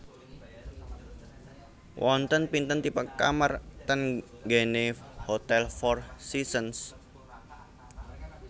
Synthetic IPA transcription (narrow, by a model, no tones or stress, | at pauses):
wʔɔnt̪ənpint̪ənt̪ipaka̰mart̪ənɡenehot̪ɛlfɔrsisəns